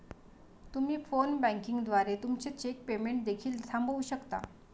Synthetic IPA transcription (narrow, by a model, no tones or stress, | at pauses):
t̪um̤iːfonbæ̃ŋkiŋɡd̪ʋaɾet̪umt͡ɕet͡ɕek̚pemeɳʈ̚d̪ekʰiːlsãmbʱəʋuɕəkt̪a̰